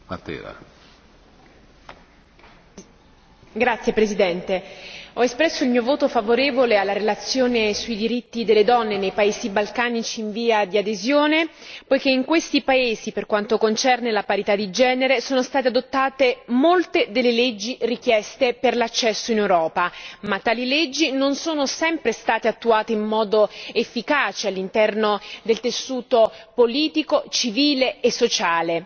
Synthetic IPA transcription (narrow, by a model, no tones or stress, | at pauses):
mat̪ːḛːɾa̰ | ɡɾat̪sːjepɾesid̪ɛnt̪eɔespɾɛsːoilmiːovoːt̪ofavoɾeːvolealːaɾelat̪sːjoːnesuid̪iɾit̪ːid̪elːed̪ɔnːenejpaeːzibalkaːnit͡ʃiːɱviːad̪iad̪ezjoːnepojk̟eiŋkwest̪ipaeːziperkwant̪okont͡ʃɛrnelapaɾit̪ad̪ːid͡ʒɛːneɾesoːnost̪aːt̪ead̪ot̪ːaːt̪emolt̪ed̪elːeled͡ʒːirik̟jɛst̪eperlat͡ʃːɛsːoinewɾɔːpamat̪ːaːliled͡ʒːinonsoːnosɛmpɾest̪aːt̪eat̪ːuaːt̪eimːɔːd̪oefːikaːt͡ʃealːint̪ɛrnod̪elt̪esːuːt̪opoliːt̪ikot͡ʃiviːleːsːot͡ʃaːle